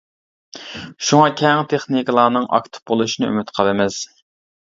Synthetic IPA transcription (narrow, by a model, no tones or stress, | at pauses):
ʃuŋɑkʲʰɛŋt̪ʰeχniklˠɑːnɨŋʔɑ̰kt̪ʰɨ̥p̚bolˠuʃinɨy̰myt̪qʰəlˠɨmɪz̥